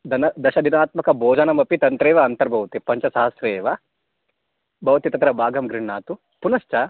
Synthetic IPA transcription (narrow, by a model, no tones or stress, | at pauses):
d̪ɐɐd̪ɐʃɐd̪inaːt̪mɐkɐbʱoːd͡ʒaːnɐmɐpit̪ɐnt̪ɾeːʋɐːnt̪ɐɾbʱɐʋt̪ipɐɲt͡ʃɐsɐɦɐsɾeːʋɐ | bʱɐʋɐt̪it̪ɐt̪ɾɐbʱaːɡɐmɡɾiɳːaːt̪u | punɐʃt͡ʃɐ